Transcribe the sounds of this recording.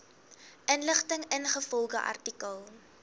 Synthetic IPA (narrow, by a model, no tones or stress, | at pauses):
ʔənləχtəŋənχəfɔlˠχəʔɐ̰rtikəlˠ